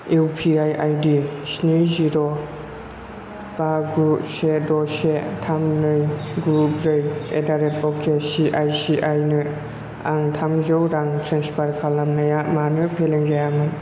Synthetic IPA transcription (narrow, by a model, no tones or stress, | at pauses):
ewpʰiajʔajdisniziɾo | paɡɾupsedɔsetʰamnɯjɡɾup̚ɾɯjḛdaɾetɔkʰesiʔajsiʔajnɯ | aŋtʰamzɔwɾaŋtɾenspʰaɾkʰalamnajamanɯpʰeleŋzajamɯn